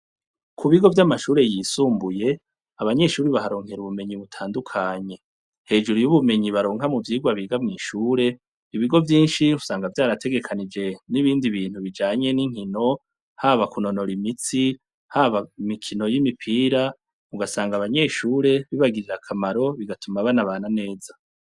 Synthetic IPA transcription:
kʰuβiɡo̞vjamaʃuːɾe̞jiːsuːmbuje̞ | aβaɲe̞ʃuːɾiβaɦaɾo̞ːŋhe̞ɾuβume̞ɲiβutʰaːndukʰaɲe̞ | he̞ːd͡ʒuɾujuβume̞ɲiβaɾo̞ːŋɦamuvjiːɡwaβiːɡamŋiːʃuːɾe̞ | iβiɡo̞vjiːnʃiusaːŋɡavjaːɾatʰe̞ɡe̞kʰanid͡ʒe̞niβiːndiβiːn̥huβid͡ʒaːɲe̞niŋ̥hino̞ | haːβakuno̞no̞ɾimit͡si | haːβaimikʰino̞jimipʰiːɾa | uɡasaːŋɡaβaɲe̞ʃuːɾe̞βiβaɡiɾiɾakʰamaɾo̞βiɡatumaβanaβaːnane̞ːza

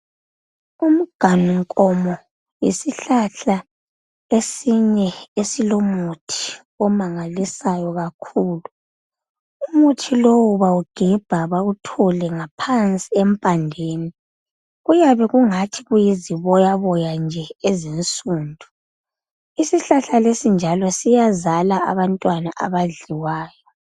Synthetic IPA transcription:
um̩ɡ̥ʱanuŋkʼɔmɔ | jḭsiɬaɬa | esiɲɛesilomutʰi̥ | ɔmaŋalisajɔɣakʰuːlu | umutʰilowuβauɡ̥ʱɛb̥ʱaβautʰɔlɛŋapʰant͡sʼiɛmpʼandʱeːni | ɣujaβɛɣuŋatʰiɣujiziβɔjaβɔjand͡ʒʱɛezinsʼuːndʱu | isiɬaɬalesind͡ʒʱalɔsijazalaa̰βantʼwanaʔa̰βaɮiwaːjɔ

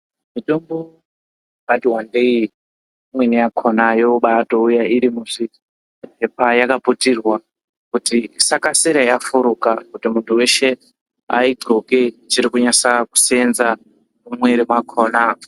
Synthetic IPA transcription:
mitombo | badiwandei | mwenijakʰonajouɓato̞ujaiɾimuʂi | ɦepajakaputirwa | kutisakasiɾajafuɾukakutimuntʰuwe̞ʃe̞ | a̰id͡zoket͡ʃiɾikuɲasaku̥senza | mumweɾimakʰona

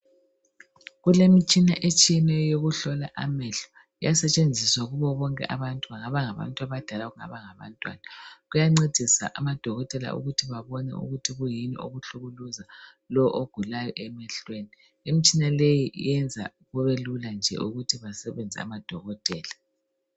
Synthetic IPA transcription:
ɣulemit͡ʃʼinaʔet͡ʃʼijɛnɛjoɣuɬɔla̰ʔa̰mɛɬɔ̥ | ijasɛt͡ʃʼend͡zʱiswaɣuβɔβɔŋkʼɛ̰ʔaβantʼuβaŋaβaŋaβa̰ntʼuaβad̥ʱalaɣuŋa̰βaŋaβa̰ntʼwa̰ːnaɣujaŋ͡ǀed̥ʱisa̰ʔamad̥ʱɔɣɔtʼɛla̰ʔṵɣutʰiβaβɔnɛ̰ṵɣutʰiɣujinḭʔo̰ɣuɬuɣuluza | lɔʔoɡ̥ʱulajɔʔɛmɛɬweni | emit͡ʃʼinalejḭjɛnd͡zʱa̰ | ɣɔβeluland͡ʒʱɛ̰ʔuɣutʰiβasɛβɛnd͡zʱɛ̰a̰mad̥ʱɔɣɔtʼɛːla

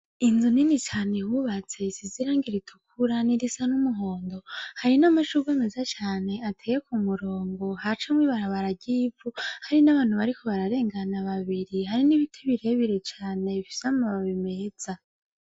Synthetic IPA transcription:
inzuninit͡ʃaːne̞wuβat͡se̞siziɾaːŋɡiɾitʰukʰuɾaniɾisanumuɦo̞ːndo̞haɾinamaʃuɡeme̞zat͡ʃaːne̞atʰeːjekumuɾo̞ːŋɡo̞ɦat͡ʃamwiβaɾaβaɾaɟiːvuhaɾinaβaːn̥huβaɾikʰo̞βaɾaɾe̞ːŋɡanaβaβiɾihaɾiniβitʰeβiɾe̞βiɾe̞t͡ʃaːne̞βifi̥seamaβaβime̞z̥a

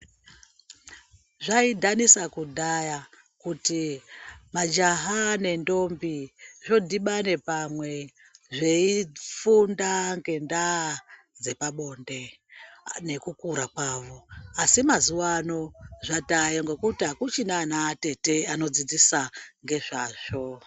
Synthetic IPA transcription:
ʐaidʱanisakudʱaja | kuti | mad͡ʒaɦane̞ndo̞mbiʐo̞dʱiɓane̞pamwe̞ | ʐeifundaŋɡe̞nda | d͡ze̞paɓo̞nde̞ | ne̞kukuɾakwaʋo̞asimazuwano̞ʐatajoŋɡe̞kutiakut͡ʃinanate̞te̞ano̞d͡zid͡zisaŋɡe̞ʐaːʐ̥o

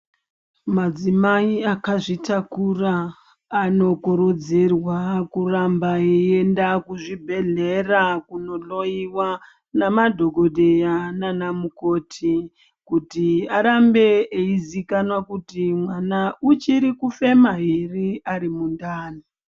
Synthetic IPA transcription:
mad͡zimaiakaʐitakuraː | no̞kuɾud͡zirwakurambaee̞ndakuʐibʱe̞ɮe̞rakuno̞lo̞iwa | namadʱo̞ɡʱodʱejananamuko̞ːtʰi | kutiaɾambeeizikanwakutimwanaut͡ʃiɾikufe̞maɦiriaɾimundaːni

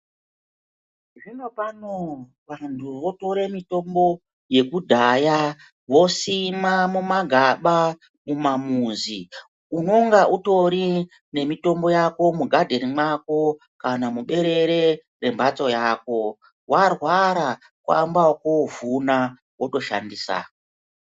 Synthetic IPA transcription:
ʐino̞pano | ʋantʰuʋo̞to̞ɾemito̞mbo̞ | je̞kudʱaja | wo̞simamumaɡʱaɓa | mumamuːzi | uno̞ŋɡaʔuto̞ɾi | ne̞mito̞mbo̞jako̞muɡʱadʱe̞ɾimwako̞ | kanamuɓe̞ɾe̞ɾe̞ | re̞mbʱat͡so̞jaːko̞ | warwaɾa | kwa̰mbakovuna | woto̞ʃa̰ndiːsa̰ko

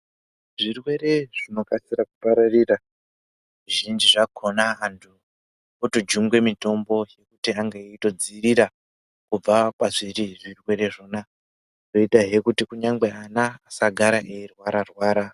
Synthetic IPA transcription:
ʐirwe̞ɾe̞ʐ̥ino̞kasiɾakupaɾarira | ʐiʒind͡ʒiʐakʰo̞naantʰu | otod͡ʒuŋɡwe̞mito̞mbo̞je̞kutiaŋɡaito̞d͡ziriɾa | kub͡vakwaʐiriʐirwe̞ɾe̞ʐo̞ːna | roitaɦe̞kutikuɲaŋɡ͡beanaːsaɡʱaɾaʔeirwaɾarwaːɾa

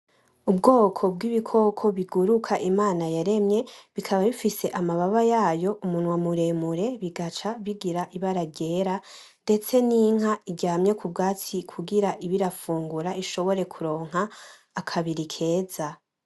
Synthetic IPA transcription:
ubɡo̞ːkʰo̞bɡiːβikʰo̞kʰo̞βiɡuɾukʰaʔimaːnajaɾe̞mɲe̞βikʰaβaβifise̞ʔamaβaβajaːjo̞ʔumunwamuɾe̞muɾe̞βiɡat͡ʃaβiɡiɾaʔiβaɾaɟe̞ɾa | nde̞t͡se̞niŋ̥ɦaiɟɟaːmɲe̞kʰub̚ɡaːt͡sikʰuɡiɾaʔiβiɾafuːŋɡuɾaiʃo̞βo̞ɾe̞kʰuɾo̞ːŋ̥ɦaː | kʰaβiɾikʰe̞ːza

